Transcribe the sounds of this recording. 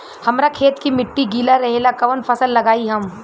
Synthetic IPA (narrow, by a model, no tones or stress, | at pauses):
hɐmɾakʰeːt̪kimɪʈːiɡiːlaɾɐɦelakɐʋənpʰɐsəlːɐɡaːiɦɐm